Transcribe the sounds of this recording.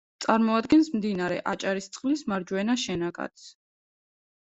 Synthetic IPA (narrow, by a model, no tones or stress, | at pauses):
t̪sʼaɾmɔad̪ɡɛnsmd̪inaɾɛ̰ʔat͡ʃʼaɾist̪sʼχʼlismaɾd͡ʒwɛnaʃɛnaɡa̰t̪s